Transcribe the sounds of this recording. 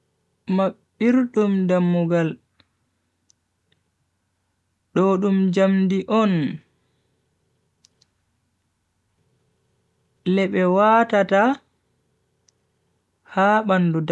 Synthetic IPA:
maɓːiɾɗumdamːuɡal | ɗɔɗumd͡ʒamdiʔɔn | lɛɓɛwaːtata | haːɓandud

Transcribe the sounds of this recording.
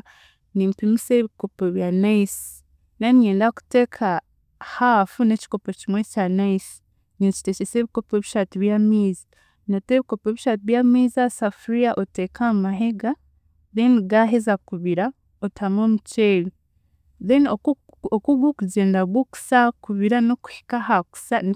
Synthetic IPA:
nimpimiseβiko̞poβjanaisi̥ | nanjeːndaku̥te̞kʰa | haːfuneci̥ko̞pocimwe̞canaisi̥ | nint͡ʃi̥tet͡ʃeseβiko̞peβiʃatiβjamiːzi̥ | noteβiko̞pe̞ːβiʃaːt̬iβjamiːzasafuɾiaʔote̞kʰamaɦe̞ɡa | ðenɡaɦe̞zakuβiɾa | otʰamoːmuceːli | ðeno | okuɡukuɟe̞ːndaβwoku̥sakuβiɾanoku̥hi̥kahaku̥sa

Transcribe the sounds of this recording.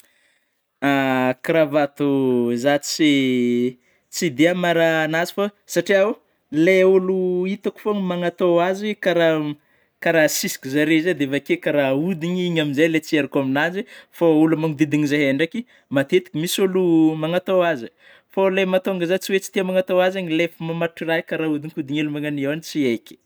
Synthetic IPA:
akɾavat̪uzat͡si | t͡sid̪iamaɾaːnazi̥fa | saʈ͡ʂiau | leuluit̪aku̥fonmaŋat̪oazikaɾa | kaɾasisi̥kʲizaɾezad̪evakekaɾaud̪iɲiɲaminzajlet͡sieɾakaminazifaulumaŋud̪id̪iɲizaɦeɳɖ͡ʐaki | mat̪et̪i̥kʲimisulumaŋat̪oazi | folemat̪oŋɡazat͡siwet͡si̥t̪iamaŋat̪oazaɲilefimamaʈ͡ʂirajkaɾaud̪iŋkʲud̪iɲelumaŋaniewanit͡sieki̥

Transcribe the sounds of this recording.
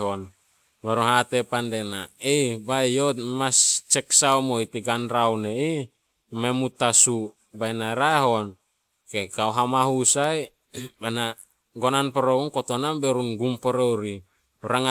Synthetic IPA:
on | meɾoɦat̪epandenaejbaejomast͡ʃeksaomoit̪iɡanɾawnei | memut̪asu | bajnaɾaeɦon | kekaoɦamaɦusaj | bana | ɡonanpoɾounkot̪onambeɾunɡumpoɾowɾi | uɾaŋa

